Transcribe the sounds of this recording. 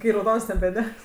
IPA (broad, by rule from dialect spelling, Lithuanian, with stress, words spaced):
kɐɪ rɐʊˈdoːns nʲɛbʲɛˈdʲɛks